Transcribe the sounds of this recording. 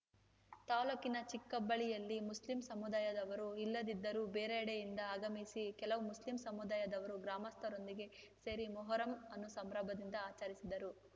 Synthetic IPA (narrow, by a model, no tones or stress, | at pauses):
t̪aːlokinɐt͡ʃikːɐbːɐɭijɐlːimuslimsɐmud̪aːjɐd̪ɐʋɐɾuilːɐd̪id̪ːɐɾubeːɾeɐɽejind̪ɐaːɡɐmisikɛlɐʋumuslimsɐmud̪aːjɐd̪ɐʋɐɾuɡɾaːmɐst̪ʰɐɾo̞nd̪iɡe̞se̞ːɾimɔɦɔːɾɐmɐnːusɐmɾaːbʱɐd̪ind̪ɐaːt͡ʃaːɾisid̪ɐɾu